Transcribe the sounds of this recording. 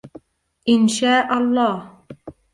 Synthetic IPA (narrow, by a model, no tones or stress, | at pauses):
ʔɪnʃaːʔɑlˤːɑːh